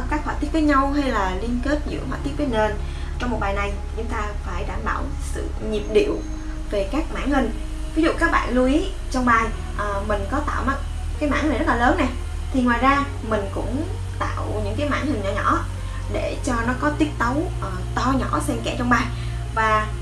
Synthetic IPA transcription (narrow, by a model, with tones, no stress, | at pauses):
kaː˦˥k̚haː˧˨t̪i˦˥ət̚və˨˦jɲa˧wɦa˧jlaː˨˩li˧ənke˦˥t̚zɨ̰˧˥hwa̰ː˧˩t̪i˦˥t̚vi˦ə˩ŋe˧˩n | t͡ɕɔ˧wŋ͡mmo˨˩t̚ɓaː˨˩jna˨˩j | t͡ɕʊ˨˦ŋ͡mt̪aː˧faː˧˩jɗaː˧˩mɓa̰ː˧˩w | sɨ̰˧˨ɲi˨˩əp̚ɗḭ˧˨əw | ve˨˩kaː˦˥k̚ma̰ː˧˥˨nhï˨˩ŋ̟ | vi˨˦zṵ˧˨kaː˦˥k̚ɓa̰ː˧˨nlu˧ʔi˨˦ | t͡ɕɔ˧wŋ͡mɓaː˧˩j | ʔəː˨˩mï˨˩ŋ̟kɔ˨˦t̪a̰ː˧˨wma˦˥t̚ | kaː˨˦jma̰ː˧˥nhi̟˨˩zə˦˥t̚laː˨˩ləː˨˦nːɛ˨˩ | t̪ʰi˨˩ŋwaː˨˩jzaː˧ | mï˨˩ŋ̟kʊ̰˧˥ŋ͡m | t̪a̰ː˧˨wɲɨ̰˧˥ŋkaː˨˦jma̰ː˧˥nhï˨˩ŋ̟ɲɔ̰˧˩ɲɔ̰˧˩˥ | ɗe˧˩t͡ɕɔ˧nɔ˨˦kɔ˨˦t̪i˦˥ət̚t̪ə˨˦wʔt̪ɔ˧ɲɔ˧˩˥sɛ˧mkɛ˧˩t͡ɕɔ˧wŋ͡mɓaː˧j | vaː˨˩